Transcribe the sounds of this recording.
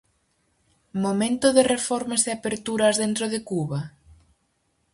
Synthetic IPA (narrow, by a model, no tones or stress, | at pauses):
momẽnt̪oðerefɔɾmezðeapeɾt̪uɾɐazðent̪ɾoðekuβa